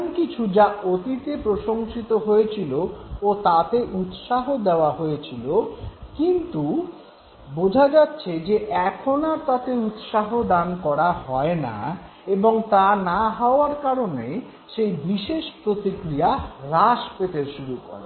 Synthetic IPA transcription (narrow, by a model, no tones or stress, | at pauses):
nkit͡ɕʰud͡ʑaʔot̪it̪epɾoʃoŋʃit̪oɦojet͡ɕʰiloot̪at̪eʔut̪ʃaɦod̪eoaɦojet͡ɕʰilokint̪u | bod͡ʑʱad͡ʑatːɕʰed͡ʑeʔɛkʰonaɾt̪at̪eut̪ʃaɦod̪ankɔɾaɦɔena̰ | eboŋt̪anaɦaoaɾkaɾone | ʃejbiʃeʃpɾot̪ikɾijaɾaʃpet̪eɾʃuɾukɔ̰ɾḛ